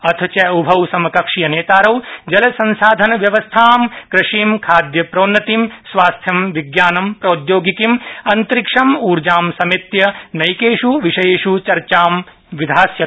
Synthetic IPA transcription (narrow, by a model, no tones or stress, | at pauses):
ɐt̪ʰɐt͡ʃɐubʱɐwsɐmɐkɐkʂijɐneːt̪aːɾɐwd͡ʒɐlɐsɐ̃nsaːd̪ʱɐnɐʋjɐʋɐst̪ʰaːmkɾɐʂiːmkʰaːd̪jɐpɾɐːnːɐt̪imsʋaːst̪ʰjɐmʋiɡjaːnɐmpɾɐud̪joːɡikimɐnt̪ɾikʂɐmuːɾd͡ʒaːmsɐmit̪jɐnɐjkeːʂuʋiʂɐjeːʂut͡ʃɐɾt͡ʃaːm | ʋid̪ʱaːsjɐt̪